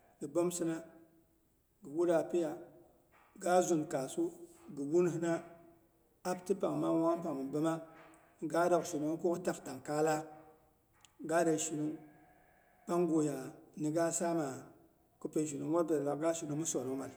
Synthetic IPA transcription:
ɡɨ˨bo˦m˦sɨ˦na˦ | ɡɨ˨wu˦ɾa˨pe˦ja˨ | ɡa˦zu˨n˨kaː˨su˦ɡɨ˨wu˦nɨ˦hna˦ | a˦btɨ˦pa˨ŋ˨ma˦ma˦a˦m˦pa˨ŋɨ˨m˨bɨ˦ma˦ | ɡaː˦da˨kso˨na˨˦kʊ˦ʊ˦ta˦kta˨ŋkaː˦la˦ | ɡaː˦da˨˦ʃi˨nɨ˦ŋ | pa˦ŋ˦ɡo˦ja˨nɨ˨ɡa˦saː˦maː˨ | kɨ˦pe˦˨ʒi˨nɨ˨˦wɔ˦ɾba˨la˨˦ɡa˦ʃi˨nɨ˦mɨ˦sɔ˨nɨ˦ma˨l

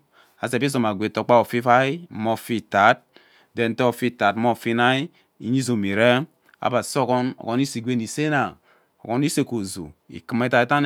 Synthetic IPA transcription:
a˨se˨bi˦zo˨ma˨ɡʷe˨to˨˦k͡pa˦o˨fi˦fa˦i˦mo˦fi˦ta˨˦t̚ | dɛ˨n̩˦te˦o˨fi˦ta˨tmo˦˨fi˦na˦i˦ | i˨˦ɲi˦zo˨mi˨ɾe˦ | a̰˨ba˨so˦kɔ˦no̰˨ko˦ni˦si˨ɡʷe˦ni˨se˦na˨ | o̰˨ko˦ni˦se˦ko˨zo̰˨ḭ˨ki˦m˦e˦ta˨i˨˦ta˦n

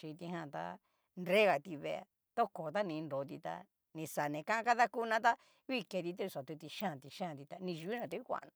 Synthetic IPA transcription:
t͡ʃi˧t̪i˧ɦã˧˨t̪a̰˧ | nɾe˦ɣa˨t̪i˧βḛ˧a̰˧ | t̪o˦ko˨t̪a˦nĩ˧ndo˨˧t̪̬i˧t̪a̰˧ | nĩ˧sa˨nẽ˨˧kã˦ʔã˦˧ka˦ða˦ku˦˧nã˧˦t̪a˦ | βi˦ke˧t̪̬i˧t̪̬e˦˧sa˨t̪u˧t̪i˧ʃã˦˨t̪i˧ʃã˦˨t̪i˧t̪a˧nĩ˧ʒu˧i˦nã˧t̪a˧˦i˦kʷã̰˨˧nã˧

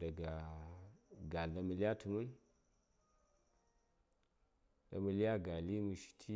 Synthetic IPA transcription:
da˨ɡa˨ | ɡa˨lda˨mu˨li˦a˦tu˨mu˦n | da̰˨mu˨li˦a˦ɡa˨li˦mu˨ʃi̥˨tʰi˦

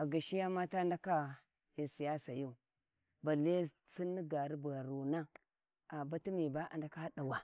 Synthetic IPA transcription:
a˨ɡa˨ʃi˦ja˦ma˦ta˦nda˦ka˦ | i˨si˨ja˦sa˨ju˦ | ba˨le˦ | si˦ni˦ɡa˨ɾi˦bɣa˨ɾu˨na˦ | a˨ba˦ti˦mi˨ba˦ʔa̰˨nda˦ka˦ha˦ɗa˨wa˨

